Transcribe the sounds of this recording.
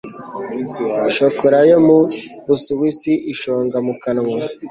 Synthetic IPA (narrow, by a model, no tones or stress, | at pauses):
ʃokoɾajomuβusuβisiʔiʃoːŋɡamukanŋo